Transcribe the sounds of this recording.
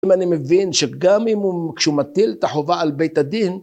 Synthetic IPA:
imanimevinʃeɡamimukʃeumat̪ilt̪aħovaalbejt̪ad̪in

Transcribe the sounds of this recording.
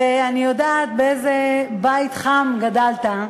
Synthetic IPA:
eanijodaːt̪̚beejzebait̪χamɡadalt̪a

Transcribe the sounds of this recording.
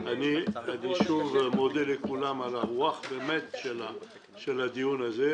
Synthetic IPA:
anead̪eʃuvmɔd̪ɛlekulamalawaχdemɛt̪ʃela | ʃelad̪ionaze

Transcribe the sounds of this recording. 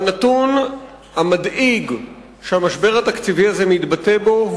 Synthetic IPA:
nat̪un | hamad̪iɡ | ʃeamaʃbe̞ʁat̪akt͡siviazemit̪bate̞bo̞

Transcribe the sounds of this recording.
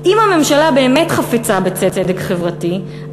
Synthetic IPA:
imhame̞mʃalabe̞ːmetχafet͡sabet͡set͡sedekχevʁati

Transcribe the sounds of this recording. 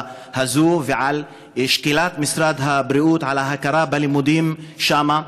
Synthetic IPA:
hazuːveʕal | ʃkilaːt̪mɪsɾˤaːd̪ɦabɾiʔuːt̪ʕalaɦakaɾˤɑːbalimud̪iːmʃaːma

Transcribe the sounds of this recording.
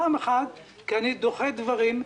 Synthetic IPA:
ameχad̪ | keanid̪oχed̪vaʁim

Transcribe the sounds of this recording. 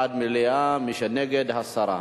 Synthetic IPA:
d̪̚milejamiʃɐneɡed̪ɐsɐɾa̰

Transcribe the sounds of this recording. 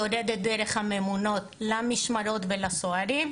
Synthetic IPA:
oded̪et̚d̪eɾe̞χhame̞muno̞t̪lamiʃmaɾo̞tvelasoaɾim

